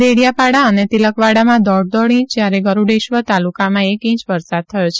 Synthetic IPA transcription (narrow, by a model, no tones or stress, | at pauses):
d̪eɽijapaɽaənet̪iləkʋaɽamãd̪ɔɽd̪ɔɽĩt͡ʃd͡ʒjaɾeɡəɾuɖeʃʋət̪alukamãekĩt͡ʃʋəɾsad̪̚t̪ʰəjot͡ʃʰe̥